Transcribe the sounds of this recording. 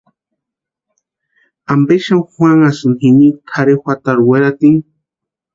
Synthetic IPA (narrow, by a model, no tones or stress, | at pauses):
ambeʃamxʷwaŋasɨnhinikʰaɾexʷat̪aɾweɾat̪iŋ